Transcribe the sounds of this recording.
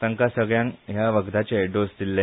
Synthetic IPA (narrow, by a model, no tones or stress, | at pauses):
əŋkasəɡɭjãŋɦjaʋəɡd̪at͡ɕeeɖost̪ilːe